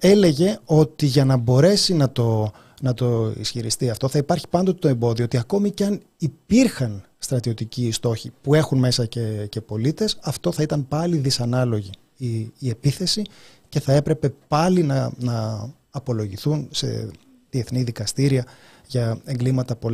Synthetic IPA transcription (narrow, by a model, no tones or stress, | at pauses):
e̞le̞ʝe̞o̞t̪iʝɐnɐbo̞ɾe̞sinɐt̪o̞ | nɐt̪o̞ḭsçiɾist̪iɐft̪o̞θɐipɐɾçi̥pɐnd̪ot̪et̪oe̞mbo̞ðioot̪iɐko̞miceɐn | ipiɾxɐn | st̪ɾɐt̪io̞t̪icist̪o̞çipue̞xunme̞sɐcece̞po̞lit̪e̞sɐft̪o̞θɐit̪ɐmpɐliðisɐnɐlo̞ʝiː | e̞piθe̞si | ce̞θɐe̞pɾe̞pe̞pɐlinɐnɐː | po̞lo̞ʝiθunse̞̰ | ðie̞θniðikɐst̪iɾiɐ | ʝɐe̞ŋɡlimɐt̪ɐpo